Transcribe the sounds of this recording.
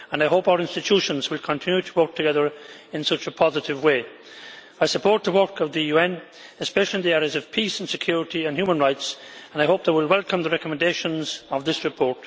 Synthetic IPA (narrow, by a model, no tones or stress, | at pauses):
ə̃naɪɦoʊpaʊə˞ɪ̃nstɨtʰuʃə̃nzwɪlˠkʰə̃ntʰɪ̃njʉɾʰəwɜ˞k̚tʰɨɡɛðə˞ɪ̃nsʌt͡ʃəpʰɑzɨɾɪvweɪː | aɪsəpʰɔɹt̪̚ðəwɜ˞kʌvðɨjuɛ̃n | ɨspɛʃl̩ˠiɨ̃nðiɛɹiəzʌv̥pʰisə̃n̩sɨkʰj̥ʊɹɪɾiə̃nhjumə̃nɹaɪtsə̃naɪɦoʊp̚ðeɪwɪlˠwɛlˠkʰə̃mðəɹɛkəmə̃ndeɪʃə̃nzʌvðɪsɹɨpʰɔɹt̚